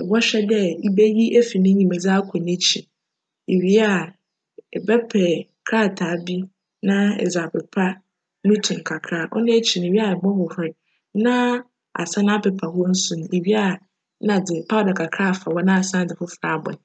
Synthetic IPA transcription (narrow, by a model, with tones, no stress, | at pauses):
ɛ˨ɡɔ˦ɕᶣɛ˦dɛ˦i˦be˦ji˦ʔe˦fi˨nɪ̃˦ɲĩ˨mɛ˨d͡za˦kʷʰɔ˨nɪ̃˦t͡ɕʰi˨ | e˨ɥi˦a˨ | ɛ˨bɛ˦pʰɛ˨ | kʰɾa˦˨tʰaː˨˦bi˦ | nã˦ɛ̰˨za˨bɾɪ˨pʰa˦ | nũ˦tʰũ˨ŋ˨kʰa˨kʰɾaː˦˨ʔɔ̰˦nʊ̃˦e˦t͡ɕʰi˨nɪ̃˨ɥi˦a˨ɛ˨bɔ˦hʊ˨hʊ˦ɪ˨ | nã˦ | a̰˨sa˦nã˦pʰɛ˨pʰa˨hʊ˦ɔ˦n̩˦sũ˨n˨e˨ɥi˦a˨˦ | nã˨d͡zɪ˨pʰa˦˨dɛ˨kʰa˨kʰɾaː˦a˨fa˨wɔ˦nã˦a˨sã˦˨d͡zɪ˨fʊ˦fɾa˨bɔ̰̃˨n˨